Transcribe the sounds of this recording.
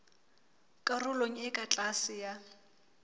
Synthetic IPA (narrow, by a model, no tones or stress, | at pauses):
kʼarʊloŋ̩ɪkʼat͡ɬʼasɪja